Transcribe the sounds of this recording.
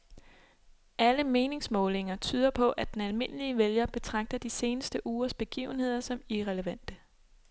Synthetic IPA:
ʔæləme̝ːne̝ŋsmɔ̽ːle̝ŋɐt͡sʰyːð̞ˠɐpʰɒ̽ʔæd̥enælme̝n̰əliəʋeljɐb̥e̝t͡sʰʁɑ̈ɡ̥̚d̥ɐd̥ise̝ːnəsd̥əʔuːɐsb̥e̝ɡ̥ḭːʊn̩he̝ð̞̰ˠɐsɒ̽miʁɛləʋæn̰d̥ə

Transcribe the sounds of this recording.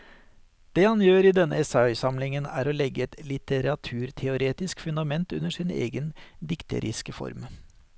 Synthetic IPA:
d̪̥eːhɑnjøːɾiːd̪ɛnːə̰ɛsɑœʏsɑmlɪŋənæ̰ːɾoːlɛɡːəɛt̪lɪt̪əɾɑt̪ʰʉːɾt̪ʰɛʊɾeːt̪ɪskfʉnd̪ɑmɛnt̪ʉnːəʂɪnḛːɡənd̪ɪkt̪ʰə̰ɾʔɪ̰skəfɔ̰ɾm

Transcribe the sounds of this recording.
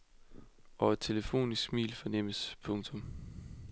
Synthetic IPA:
ʔɒ̽æd̥̚t͡sʰe̝ləfo̝̰ːnisɡ̥mḭːlfɒ̽nem̰əspʰɔ̽ŋt͡sʰɔ̽m

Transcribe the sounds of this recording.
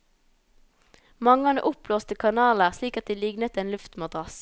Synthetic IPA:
mɑŋəɑnə̰ʔʊploːst̪əkʰɑnɑːləʁsliːkɑt̪̚d̪iːlɪɡnət̪eːnlʉft̪mɑd̪ʁɑs

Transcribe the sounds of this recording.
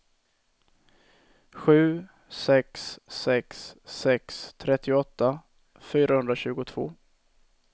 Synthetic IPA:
ɧʉ̟ː | sɛksːɛksːɛkst̪ʰɾɛt̪ʰːɪɔt̪ːa | fyːɾahɵnd̪ɾaɕʉ̟ːɡʊt̪ʰv̥o̰ː

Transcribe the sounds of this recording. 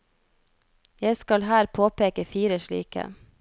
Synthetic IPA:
jæɪskɑlhæːɾpʰoːpeːkəfiːɾəʃɭḭːkə̰

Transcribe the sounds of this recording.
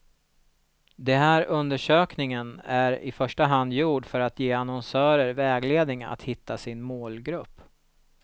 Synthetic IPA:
d̪ɛnɦæːɾɵnd̪əʂøːknɪŋənæɾɪ̰fœʂʈaɦand̪juːɖfœɾat̪jeːanɔnsœːɾəɾvɛːɡleːd̪nɪŋa̰t̪hɪt̪ːasɪnmoːlɡɾɵpː

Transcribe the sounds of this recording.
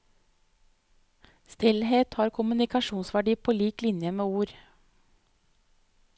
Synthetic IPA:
st̪ɪlheːt̪hɑːɾkʰʊmʉnɪkɑʃuːnsʋæɖiːpʰoːliːklɪnjəmeːuːɾ

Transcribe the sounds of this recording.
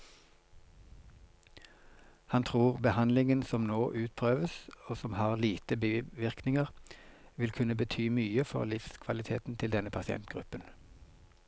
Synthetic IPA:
hɑnt̪ʰʁuːʁbəhɑnlɪŋənsɔmnoːʔʉːt̪̚pʰʁøːʋəsoːsɔmhɑːʁliːt̪əbiʋɪʁknɪŋəʁʋɪlkʰʉnəbət̪ʰyːmyːəfɔ̰ʁlɪfskʰʋɑlɪt̪ʰḛːt̪n̩t̪ʰɪld̪ɛnəpʰɑsɪɛ̰nt̪̚ɡ̥ʁʉpən

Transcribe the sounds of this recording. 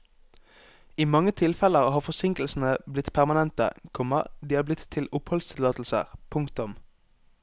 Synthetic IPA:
iːmɑŋət̪ʰɪlfɛləʁhɑːfɔsɪŋkl̩sn̩əblɪt̪pʰæʁmɑnɛnt̪ə̰kʰɔmɑ̰d̪iːhɑːblɪt̪ʰːɪlʊphɔlst̪ʰɪlɑːt̪l̩sə̰ʁpʰʊŋkt̪ʊm

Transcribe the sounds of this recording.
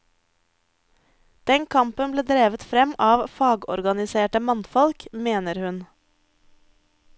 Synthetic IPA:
d̪̥ɛŋkʰɑmpənbleːd̪ɾeːʋət̪fɾɛmɑːʋfɑːɡɔ̰ɾɡɑnɪseːʈəmɑnfɔlkmeːnəɾhʉn

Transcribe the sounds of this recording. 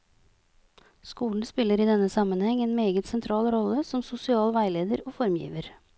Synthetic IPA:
skuːln̩spɪlːəɾiːd̪ɛnːəsɑmənhɛŋeːnmeːɡət̪sɛnt̪ʰɾɑːlɾɔləsɔmsʊsɪɑːlʋæɪleːd̪əɾoːfɔɾmjḭːʋəɾ

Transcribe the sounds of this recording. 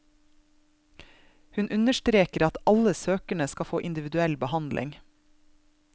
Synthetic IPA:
hʉnʔʉnəʃtɾeːkəɾɑt̪ɑləsøːkəɳəskɑfoːʔɪnd̪ɪʋɪd̪ʉɛlbəhɑnd̪lʔɪ̰ŋ

